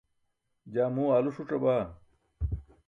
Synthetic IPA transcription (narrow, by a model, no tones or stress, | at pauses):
d͡ʑaːmuːaːluʂuʈ͡ʂɐbaː